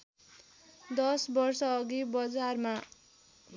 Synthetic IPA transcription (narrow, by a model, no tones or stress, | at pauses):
d̪ʌsbʌrsʌːɡibʌd͡zarma